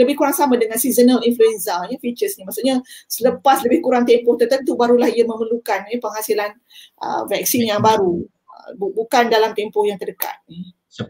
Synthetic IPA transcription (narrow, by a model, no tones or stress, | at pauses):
ləbɪhkuɾaŋsamãdəŋãnsizənəlinfluɛnsajəfit͡ʃəsɲamaʔsuʔɲasələpasləbɪhkuɾaŋt̪empɔht̪ərt̪ənt̪ubaɾulahiamə̃məlukanəpəŋhasilan | ʔə̰vɛk̚sinjaŋbaɾu | əbbukandalamt̪empɔhjaŋt̪ərdəka̰t̪̚ni